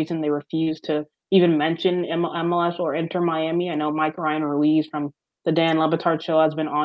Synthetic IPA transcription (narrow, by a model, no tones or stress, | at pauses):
izɨ̃nðeɪɹɨfjʉz̥tʰɨ | ivɨ̃nmɛ̃nʃɨ̃nɛ̃mɛlɛsə˞ɛ̃ntʰə˞maɪæmiaɪnoʊmaɪkɹaɪɨ̃nɹuiz̥fɹʌ̃m | ðɨdæ̃nlɛbɨtʰɑɹdʃoʊəzbɨ̃nɑ̃